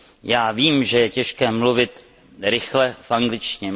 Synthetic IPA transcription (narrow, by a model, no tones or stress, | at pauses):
jaːviːmʒɛjɛcɛʃkɛːmluvɪt̪ | ɾɪxlɛfʔaŋɡlɪt͡ʃɲɛ